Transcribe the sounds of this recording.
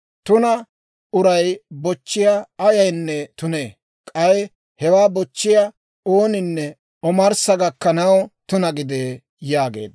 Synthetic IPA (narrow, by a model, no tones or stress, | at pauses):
t̪ʊnɐ | ʊɾɐjbɔt͡ʃːɪjaɐjɐjnːɛt̪ʊneː | kʼɐj | hɛwaːbɔt͡ʃːɪjɐ | oːnɪnːɛ | ɔmɐɾsɐɡɐkːɐnɐwt̪ʊnɐɡɪd̪eː | jaːɡḛːd̪